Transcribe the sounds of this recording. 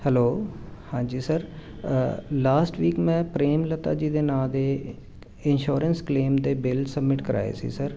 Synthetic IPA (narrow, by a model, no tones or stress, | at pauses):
hɛloː | hãːd͡ʒiːsəɾ | laːsʈʋiːkmɛ̃ːpɾeːmlət̪a̰ːd͡ʒiːd̪eːnaːd̪eː | ɪnʃoːɾənskleːmd̪eːbɪlsəbmɪʈkəɾa̰ːjḛːsḭːsəɾ